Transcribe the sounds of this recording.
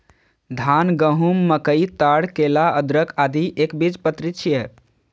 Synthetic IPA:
d̪ʱanɡəɦumːəkəit̪aɽkelaəd̪ɾəkʰad̪ʱiʔekbid͡ʒpət̪ɾit͡ʃʰijə

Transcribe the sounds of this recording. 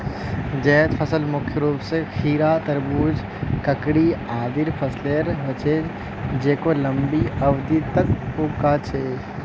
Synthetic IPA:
d͡ʒeːt̪pʰəsəlmʊkʰjəɾuːpsekʰiːɾat̪əɾbuːd͡ʒ | kəkɽiaːd̪iɾpʰəsleɾɦot͡ʃʰeːd͡ʒ | d͡ʒeːkoləmbiəʋd̪it̪əkokat͡ʃʰeː

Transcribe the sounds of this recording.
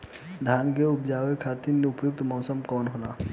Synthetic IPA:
d̪ʱjaːnk̬eʊpd͡ʒaːʋekʰaːt̪iɾneʊpjʊk̚t̪mɔːsəmkɔːnɦoːnaː

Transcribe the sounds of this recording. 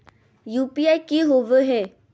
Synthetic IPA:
juːpiaːjkiɦoʋəɦɛ

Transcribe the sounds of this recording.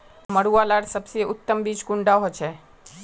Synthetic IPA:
məɽualaɽsəbsieʊt̪ːəmbid͡ʒkuɳɖaɦot͡ʃʰe

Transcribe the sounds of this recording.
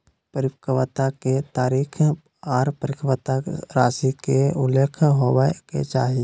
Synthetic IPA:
pəɾɪpkʰəʋət̪aket̪aːɾiːkʰ | aːɾpəɾɪkʰʋət̪aɾaːsikeʊleːkʰɦoːwakḛt͡ʃaːɦie

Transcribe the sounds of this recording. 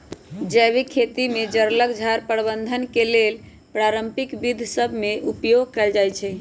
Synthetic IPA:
d͡ʒəβikʰːet̪imed͡ʒəɾləkd͡ʒʱaɾpəɾbənd̪ʱənkelel | pɾaɾəmpikbid̪ʱsəbʱmeupjoɡkɛld͡ʒajt͡ʃʰɛ

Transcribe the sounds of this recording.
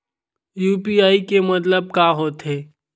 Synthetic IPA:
juːpiaːikemɐt̪ləb̚kaːɦoːt̪ɦeː

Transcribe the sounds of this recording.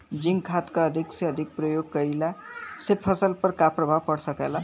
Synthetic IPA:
d͡ʒiŋɡkʰat̪kaəd̪ʱikseəd̪ʱik̚pɾəjoɡ̚kəilasepʰəsəlpəɾkapɾəbʱawpəɽsəkela

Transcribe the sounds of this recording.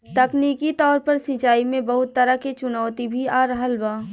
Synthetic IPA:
t̪ɐkniːkit̪ɔːɾpɐɾsĩt͡ʃaːimẽbɐɦʊt̪ːɐɾaket͡ʃʊnɔːt̪ibʱiaːɾəɦəlbaː

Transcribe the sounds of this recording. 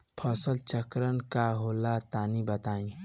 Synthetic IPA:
pʰəsəlt͡ʃəkɾənkaɦolat̪aːnibət̪aːĩ

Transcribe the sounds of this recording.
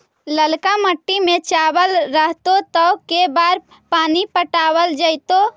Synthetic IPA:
ləlkaməʈːimẽt͡ʃabəlɾəɦt̪ot̪əʊkebaɾ | paːnipəʈaːwəld͡ʒəɪt̪o

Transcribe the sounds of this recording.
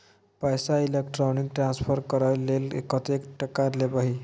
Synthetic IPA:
pajsailek̚ʈɾaniŋɡʈɾansfʰəɾkəɾajlelḛkət̪ekʈəkaɾlepaɦi

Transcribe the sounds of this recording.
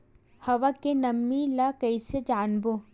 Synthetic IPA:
hɐʋakenɐmːilakɐised͡ʒaːnboː

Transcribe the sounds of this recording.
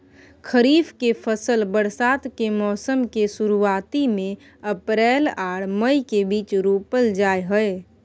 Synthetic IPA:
kʰəɾiːfkepʰəsəlbəɾsaːt̪kemɔːsəmkesuɾuaːt̪imẽ | əpɾɛːlaːɽ̤məikebiːt͡ʃɾopəld͡ʒaːeɦəe

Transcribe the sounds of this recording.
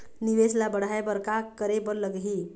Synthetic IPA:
niʋeslabəɽ̤aebəɾkakəɾebəɾləɡɦi

